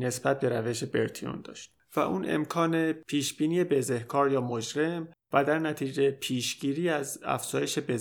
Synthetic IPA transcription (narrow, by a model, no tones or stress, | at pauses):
ne̞sbæt̪̚be̞ɾæve̞ʃe̞be̞ɾt̪ʰio̰nd̪ɒ̰ːʃt̪̚ | væ̰ʔuːne̞̰mkʰɒːnepʰiːʃb̥iːniːjebe̞ze̞hkʰɒːɾjɒːmod͡ʒɾe̞mvæd̪æɾnæt̪ʰiːd͡ʒe̞pʰiːʃɟ̥iːɾiːæzæ̰fz̥ɒːje̞ʃe̞be